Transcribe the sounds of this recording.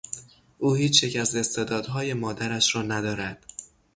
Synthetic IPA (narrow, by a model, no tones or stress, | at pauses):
ʔuːhiːt͡ʃʰjecæze̞st̪ed̪ɒːd̪ɦɒːje̞mɒːd̪æɾæʃɾɒːnæd̪ɒːɾæd̪̥